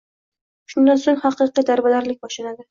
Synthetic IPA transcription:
ʃʊnd̪ansoŋhɑqɨqid̪aɾbalaɾlɪk̚ʲbɒʃlanad̪ɪ

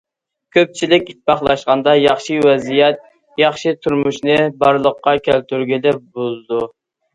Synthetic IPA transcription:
kʲʰøp̚t͡ʃʰilɪkʲit̪̚bɑχlˠɑʃqɑnd̪ɑjɑχʃiwɛzijɛt̪̚ | jɑχʃit̪ʰuɾmuʃnɨbɑɾlˠəqːɑkʲʰælt̪yɾɡʲilɪbozd̪u

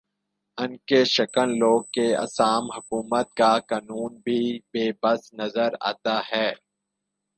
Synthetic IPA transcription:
ɐnkeʃɐkəlloːɡ̚keɐ̰saːmɦʊkuːmət̪̚kakaːnuːnbʱibeːbɐsnɐzəɾa̰ːt̪aɦɛː

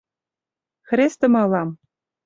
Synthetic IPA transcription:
xɾʲest̪ɤ̆mɑ̆lɑm

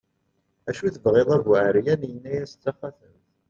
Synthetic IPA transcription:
æʃuθəvʁeðˤævwaʕɾjænjənːæjæsə̥t͡sːaχæθəmθ

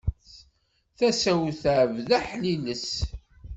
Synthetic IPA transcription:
θæsæwθʕvðæħliləs

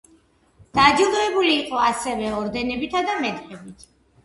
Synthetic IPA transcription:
d̪̥ad͡ʒilˠɔɛbuliːqʼɔasɛvɛɔɾd̪ɛnɛbit̪ʰad̪amɛt̪ʼqʼɛbit̪ʰ

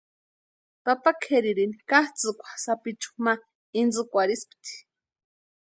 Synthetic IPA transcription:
papakʰeɾiɾinikaht͡sɨkʷʰḁsapit͡ʃu̥ma | ind͡zɨkʷaɾispi̥t̪i̥

